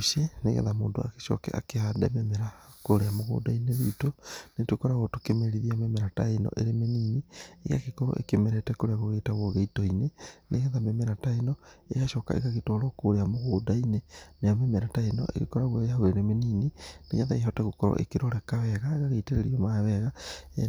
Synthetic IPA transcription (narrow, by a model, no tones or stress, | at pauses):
ʃeneɣɛ̰ðamoːndoa̰ke̥ʃɔ̰kɛ̰a̰keadɛ̰memeɾakoɾeamoɣo̰daineðitonetukoɾaɣotukemeɾiðiamemeɾataenɔ̰ʔeɾemeniːnieɣa̰kekoɾo̰ʔḛkemeɾetɛkoɾeaɣoɣetaɣoɣeitoineneɣaðamemeɾataenɔḛɣaʃɔka̰ḛɣaɣetɔɾɔkoɾeamoɣoːdaineneamemeɾataenɔ̰ʔḛɣḛkoɾaɣwoahoɾeɾemeniːnineɣaðaiɦɔtɛɣukɔɾɔ̰ʔḛkeɾoɾɛkaβɛɣaeɣaɣeiteɾeɾiɔmaβɛɣae